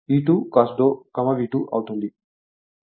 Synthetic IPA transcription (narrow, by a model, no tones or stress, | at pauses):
iːʈuːkaːsd̪oːkɐmɐʋiːʈuʔɐ̰wt̪und̪i